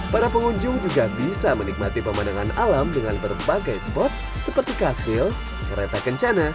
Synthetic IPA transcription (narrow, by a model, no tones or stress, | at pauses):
paɾapəŋuɲd͡ʒʊŋd͡ʒuɡabisamənik̚mat̪ipəmanaŋanʔalamdəŋanbərbaɡajsə̥pɔrt̪̚ | səpərt̪ikaswɪl | kəɾet̪akəɲt͡ʃana